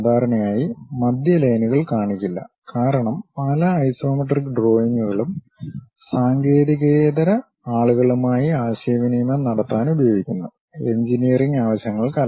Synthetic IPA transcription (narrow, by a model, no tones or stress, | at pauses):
d̪ʱaːɾɐɳɐmaːjimɐd̪jɐlɐjnuɣɐɭkaːɳikʲːilːɐ̰ | kaːɾɐɳɐmpɐlɐɐjso̞ːmɐʈrikːɖro̞ːjiŋːuɣɐɭum | saːŋɡe̞ːðiɣɐːðɐɾɐ | aːɭuɣɐɭumaːjiaːɕɐːʋinijumɐnɐɽɐt̪ːaːnubɐjoːɡikʲːunːɐ | e̞ɲd͡ʑinijɐriŋɡaːʋɐɕjɐŋːɐɭkaːl